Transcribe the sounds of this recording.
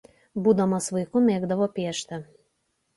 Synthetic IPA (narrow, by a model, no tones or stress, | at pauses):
buːd̪ɐmɐsʋɐɪkʊmʲeːɡd̪ɐʋoːpʲiːʃt̪ʲɐ